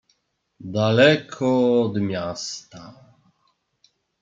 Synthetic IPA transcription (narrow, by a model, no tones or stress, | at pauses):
d̪alɛkʰɔːd̪mʲjast̪a